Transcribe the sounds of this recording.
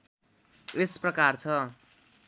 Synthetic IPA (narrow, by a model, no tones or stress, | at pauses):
esprʌkart͡sʰʌ